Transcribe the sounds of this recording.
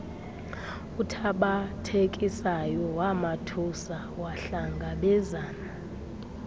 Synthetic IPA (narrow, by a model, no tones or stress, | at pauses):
utʰaɓatʰekʼisajɔwamatʰusa | waɬaŋɡʱaɓɛzaːna